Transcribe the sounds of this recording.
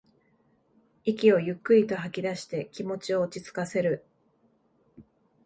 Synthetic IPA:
ikʲio̞jɯ̟kːɯ̟ɾʲit̪o̞ɦakʲid̪aɕi̥t̪e̞kʲimo̞t͡ɕio̞ːt͡ɕit͡sɨ̥kase̞ɾɯ̟

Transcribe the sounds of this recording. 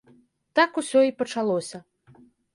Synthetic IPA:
t̪akusʲɔipɐt͡ʂalˠɔsʲɐ

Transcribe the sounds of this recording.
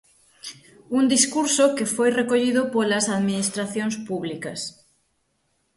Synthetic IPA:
und̪iskuɾsokefojrekoʎiðʊpolɐsaðminist̪ɾaθjoŋspuβlikɐs

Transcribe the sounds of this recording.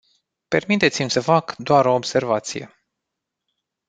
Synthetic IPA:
pe̞rmit̪e̞t̪simʲsəfakd̪oaɾo̞ːbse̞rvat̪sije̞̰

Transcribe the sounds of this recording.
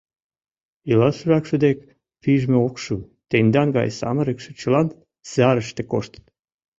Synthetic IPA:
ilɑʃəɾɑkʃəd̪ek | piʒmeokʃu | t̪end̪ɑnɡɑ̰jsɑ̰məɾəkʃĕ̥t͡ɕəlɑn | sɑɾəʃt̪ekoʃt̪ə̥t̪

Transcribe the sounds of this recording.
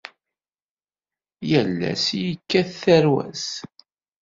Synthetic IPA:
jəlːæ̰sjəkːæθθæɾwæ̰s

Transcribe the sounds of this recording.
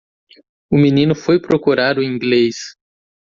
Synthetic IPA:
ʊminĩnʊfojpɾokuɾaɾʊĩɡles

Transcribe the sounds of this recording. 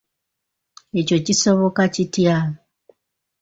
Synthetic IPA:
e̞co̞ciso̞βo̞kacitja

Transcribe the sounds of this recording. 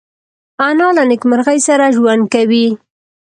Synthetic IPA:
anɑlanɪkmaɾɣajsaɾaʒwand̪̚kawi

